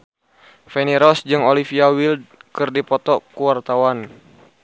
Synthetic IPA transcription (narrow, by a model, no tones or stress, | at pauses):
fɛniɾɔsd͡ʒɨŋɔlifiawild̚kɨrdipɔt̪ɔkuwart̪awan